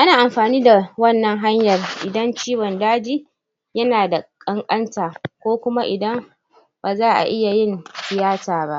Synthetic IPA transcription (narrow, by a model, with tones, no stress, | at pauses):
ʔa˦naː˨ʔa˨mɸaː˨niː˦da˨wɐ˦˨nːɐ˦ŋɦa˦ɲjɐ˨rʔɪ˨dɐ˦nt͡ʃiː˦wɔ˨ndaː˦d͡ʒiː˦ | jɐ˦naː˨da˨kʼɐ˦ŋkʼɐ˦ntaː˨kʷoː˦kʷʊ˦ma˦ʔɪ˨dɐ˦m | baː˨zaː˦ʔa̰˨ʔɪ˦ja˨jɪ˦nsɪ˨jaː˦taː˨ba˦ʔ